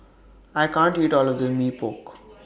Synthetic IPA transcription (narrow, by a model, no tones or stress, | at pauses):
aɪkãːɳʈiːʈɔːlɔʋd̪əmiːpok